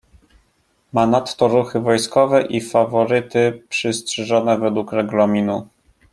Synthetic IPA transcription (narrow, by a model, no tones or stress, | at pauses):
manat̪ːɔɾuxɘvɔjskɔvɛʔifavɔɾɘt̪ɘpʂɘstʂɛʐɔnɛvɛd̪wukɾɛɡlɔmʲinu